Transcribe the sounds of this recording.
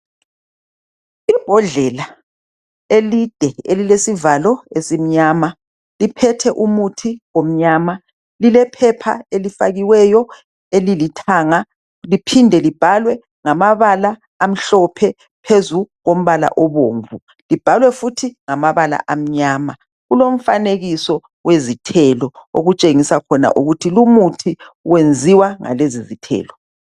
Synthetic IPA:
ib̥ʱɔɮɛla | elid̥ʱɛelilesivalɔesim̩ɲaːma | lipʰɛtʰɛʔumutʰiwom̩ɲaːma | lilɛpʰɛpʰa̰elifa̰ɣiwɛjɔ | elilitʰaːŋa | lipʰindʱɛlib̥ʱalwɛ | ŋamaβalaː | m̩ɬɔpʰɛ | pʰezuɣom̩βala̰ʔɔβoːɱvu | lib̥ʱalwɛfutʰiŋamaβala̰ʔam̩ɲaːma | ɣulom̩faneɣisɔ | wezitʰɛlɔo̰ɣut͡ʃʼeŋisakʰɔna̰ʔuɣutʰilumutʰiwend͡zʱiwaŋa̰lezizitʰɛ̰ːlɔ

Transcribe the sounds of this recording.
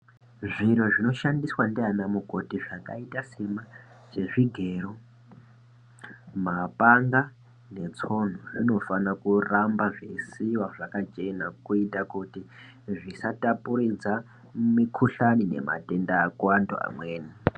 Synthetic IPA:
ʐinoʐino̞ʃandiswandianamukotiʐaka̰itasima | ʐe̞ʐiɡʱe̞ɾo | mapaŋɡa | ne̞t͡so̞n̤oʐino̞fanakurambaʐesiwaʐakat͡ʃe̞nakuitakuti | ʐisatapuɾid͡za | mikʰuɬanine̞̰ma̰te̞ndaːkuwando̰a̰mweːni

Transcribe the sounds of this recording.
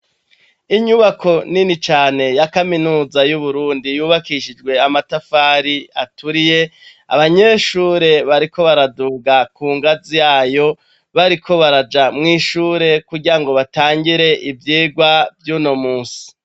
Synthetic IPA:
iɲuβakʰo̞ninit͡ʃaːne̞jakaminuːzajuβuɾuːndijuːβakiʃid͡ʒɡwe̞amatafaɾiatuɾije̞ | a̰βaɲe̞ʃuːɾe̞βaɾiko̞βaɾaduɡakuːŋɡazijaːjo̞ | βaɾikʰo̞βaɾad͡ʒamŋiːʃuːɾe̞kuɟiɾaŋɡo̞βataːŋɡiɾe̞ʔivjiːɡwavjuno̞muːsi̥

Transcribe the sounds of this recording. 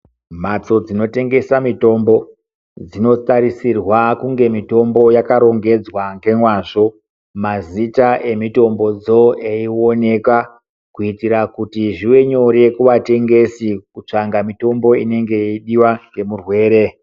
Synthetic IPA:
mat͡so̞d͡zino̞te̞ŋɡe̞samito̞mbo̞ | d͡zino̞t͡saɾisirwakuŋɡe̞mito̞mbo̞jakaɾo̞ŋɡe̞d͡zwaŋɡe̞mwaʐo̞ | mazitaʔe̞mito̞mbo̞d͡zo̞eio̞ne̞ka | kuitiɾakutiʐiwe̞ɲo̞ɾekuʋate̞ŋɡe̞sikut͡ʂaŋɡamito̞mbo̞ḭne̞ŋɡe̞iɗiwaŋɡe̞murwe̞ːɾe̞

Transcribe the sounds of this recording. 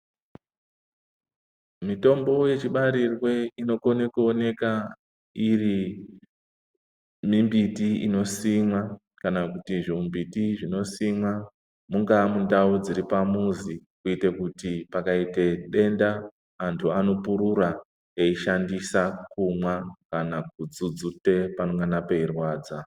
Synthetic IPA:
mito̞mbo̞je̞t͡ʃiɓaɾirwe̞ino̞konekuone̞ka | iri | mimbitiḭno̞simwa | kanakutiʐiumbitiʐino̞simwa | muŋɡamundaud͡ziɾipamuzikuitekutipakaite̞ɗe̞ndaː | ntʰuano̞puɾuɾa | eiʃandisakumwakanak̚ud͡zud͡zute̞panoŋɡanapeirwaːd͡za

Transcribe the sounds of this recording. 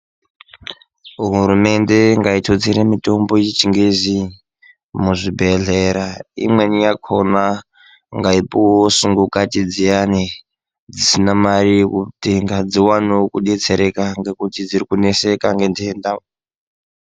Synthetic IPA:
ɦuɾume̞nde̞ŋɡaitʰot͡siɾemito̞mbojit͡ʃiŋɡezi | muʐibʱe̞ɮeɾaḭmwe̞nijakʰona | ŋɡaipowosuŋɡukatid͡zijani | d͡zisinamarijekuteŋɡad͡ziwanokuɗe̞t͡se̞ɾekaŋɡe̞kutid͡ziɾikunese̞kaŋɡendienda

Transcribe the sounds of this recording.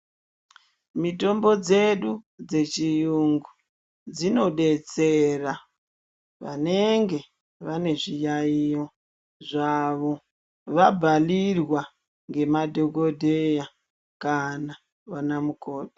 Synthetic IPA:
mito̞mbo̞d͡ze̞ɗud͡ze̞t͡ʃijuŋɡu | d͡zino̞ɗe̞t͡se̞ra | ʋa̰ne̞ŋɡe̞ | ʋane̞ʐijaijo̞ | ʐaʋo̞ | ʋabʱalirwa | ŋɡe̞madʱo̞ko̞dʱeja | kana | ʋanamuko̞ːt

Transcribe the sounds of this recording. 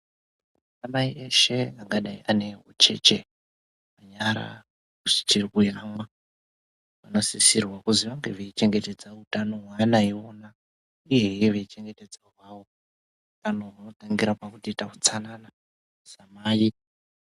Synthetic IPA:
amaiʔe̞ʃe̞aŋɡaɗaiʔane̞ɦo̰t͡ʃe̞̰t͡ʃe̞ | maɲaɾa̰ | kuʐi̥t͡ʃirkujamwa | ʋanosisirwakuziʋaŋɡe̞ʋeit͡ʃe̞ŋɡe̞te̞d͡zautano̞ɦwanaiona | ujeeʋeit͡ʃe̞ŋɡe̞te̞d͡zawawo̞ | utano̞ʋano̞taŋɡiɾapakutitaut͡sanana | samaːi

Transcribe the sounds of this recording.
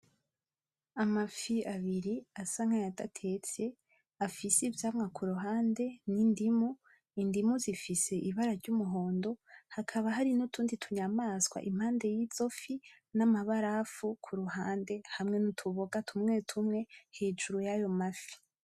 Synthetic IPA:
amafiaβiɾiasaŋ̥ajadatʰe̞t͡se | afisivjaːmŋakʰuɾuɦaːnde̞nindimu | indimuzifise̞ʔiβaɾaɾɟumuɦo̞ːndo̞hakʰaβaɦaɾinutʰuːnditʰuɲamaːsɡwa̰ʔim̥haːnde̞jiːz̥o̞fi | namaβaɾafukʰuɾuɦaːnde̞hamŋe̞nutʰuβoɡatʰumŋe̞ːtʰumŋe̞he̞ːd͡ʒuɾujajo̞mafi̥

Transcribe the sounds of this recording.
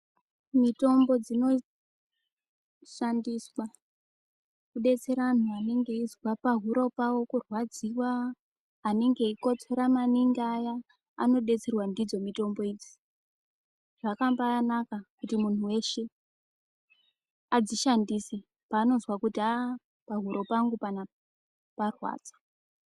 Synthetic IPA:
mito̞mbo̞d͡zino̞ | ʃandiswa | kuɗe̞t͡se̞ɾan̤uane̞ŋɡe̞izwapaɦuɾo̞pawo̞kurwad͡ziwaː | ne̞ŋɡe̞iko̞t͡seɾamaniŋɡiaja̰ː | no̞ɗe̞t͡serwandid͡zo̞mito̞mbo̞id͡zi̥ | ʐakambanakakutimun̤uwe̞ʃe̞ | ad͡ziʃandise | paːno̞zwakutia | paɦuɾʔo̞paŋɡupana | parwa̰ːd͡zḁ

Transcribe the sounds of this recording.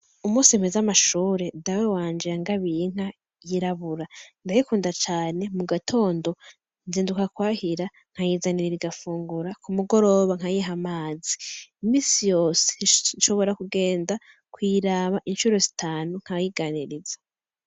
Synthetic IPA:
umuːsiemezamaʃuːɾe̞dawewaːnd͡ʒiɾaŋɡaβiŋ̥a | jiɾaβuɾandajikuːndat͡ʃaːne̞muɡatʰo̞ːndo̞ | nziːndukakwaːhiɾa | ŋ̥ajizaniɾiɾiɡafuːŋɡuɾakumuɡo̞ɾo̞ːβaŋ̥hajiɦamaːziimiːsijo̞ːse̥nʃo̞βo̞ɾakuɡe̞ːnda | kwiːɾaβaʔinʃuɾo̞zitʰaːnuŋ̥ajiɡaniɾizḁ

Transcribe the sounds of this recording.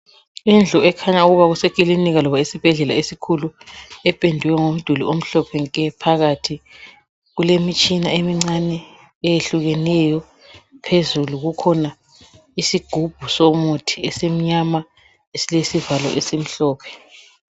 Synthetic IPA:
ind͡ɮʱɔɛkʰaɲauɣuβaɣusekʼiliniɣalɔβaisib̥ʱɛɮɛlaesikʰuluɛpʼendʱuwɛŋom̩d̥ʱulḭom̩ɬɔpʰɛŋkʼɛpʰaɣatʰi | ɣulemit͡ʃʼinaemiŋ͡ǀanɛː | jeɬuɣɛnɛjɔ | pʰezuluɣukʰɔna | isiɡ̥ʱub̥ʱusɔmotʰiesem̩ɲama | esilesivalɔ̰ʔesem̩ɬɔːpʰɛ̥

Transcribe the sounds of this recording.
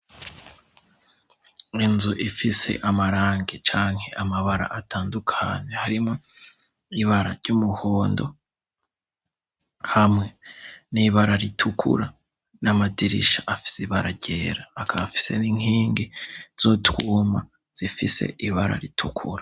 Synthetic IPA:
inzuʔifise̞̰ʔamaɾaːŋɡet͡ʃaːŋhe̞ʔamaβaɾa̰ʔatʰaːndukʰaːɲehaɾimŋo̞ | iβaɾaɾɟumuho̞ːndo̞̰ | hamŋe̞niβaɾaɾitʰukʰṵɾa | namadiɾḭʃaʔafi̥siβaɾaɟeːɾaːkʰaβafi̥se̞niŋ̥hiːŋɡiz̥otwuːma̰ | z̥ifise̞̰ʔiβaɾa̰ɾitʰukʰuɾḁ

